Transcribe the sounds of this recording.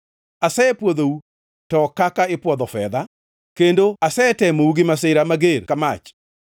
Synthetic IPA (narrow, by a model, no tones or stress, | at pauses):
asɛɛpwod̪ou | tɔkakaɪpwɔd̪ɔfɛd̪a | kendoasɛɛtɛmouɡɪmasɪɾamaɡeɾkama̰t͡ʃ